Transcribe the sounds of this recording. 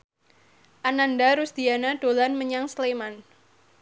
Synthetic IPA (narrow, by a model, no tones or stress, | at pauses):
ʔanandaɾusd̪̥ianaɖ̥olanməɲaŋsleman